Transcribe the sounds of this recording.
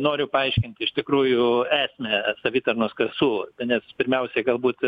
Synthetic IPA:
noːɾʲʊpɐɐɪʃʲkʲɪnʲt̪ʲɪʃt̪ʲɪkɾuːjʊæːsʲmʲɛsɐʋʲiːt̪ɐrnoskɐsuːt̪nʲɛspʲɪɾʲmʲɛʊsʲɛɡɐlˠbuːt̪

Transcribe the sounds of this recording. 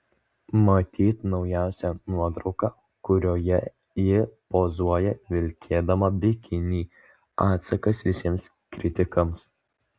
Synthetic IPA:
mɐt̪ʲiːt̪nɒʊjæˑʊsʲɛnuɔt̪ɾɒʊkɑː | kʊɾʲoːjɛ | jɪpoːzuɔjɛʋʲɪlʲkʲʰeːd̪ɐmɐbʲɪkʲɪnʲiː | ɑːt̪sɐkɐsʋʲɪsʲiɛms | kɾʲɪt̪ʲɪkɐms

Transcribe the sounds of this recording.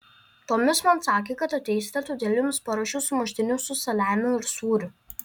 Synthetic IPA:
t̪oːmʲɪsmɐnsɑːkʲeːkɐt̪ɐt̪ʲɛɪsʲt̪ʲɐt̪ud̪ʲɛːlʲɪmʊspɐɾɐːʃʲuːsʊmɐʃʲt̪ʲɪnʲʊsʊsɐlʲæːmʲʊɪɾsuːɾʲʊ

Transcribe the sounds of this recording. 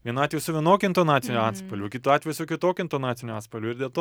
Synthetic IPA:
ʋʲiɛnɑːt̪ʲʋʲɛjusʊʋʲiɛnoːkʲʊɪnt̪oːnɑːt̪ʲɪnʲuɑːt̪spɐlʲʊkʲɪt̪uɑːt̪ʲʋʲɛjusʊkʲɪt̪oːkʲʊɪnt̪oːnɑːt̪sʲɪnʲʊɑːt̪spɐlʲuɪɾd̪ʲiɛlˠt̪oː

